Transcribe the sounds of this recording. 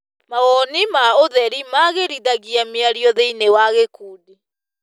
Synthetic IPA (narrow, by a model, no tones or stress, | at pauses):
maɣɔnimaoðɛɾimaɣeɾiðaɣiameaɾjɔðeinewaɣekuːdi